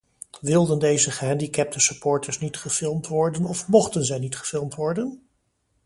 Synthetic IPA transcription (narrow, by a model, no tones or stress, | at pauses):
ʋɪlˠdəndejzəχəɦɛndikɛp̚təsəpɔːɹtəɹsnitχəfɪlˠmtʋɔɹdənɔfmɔχtənzɛjnitχə̥fɪlˠmtʋɔɹdən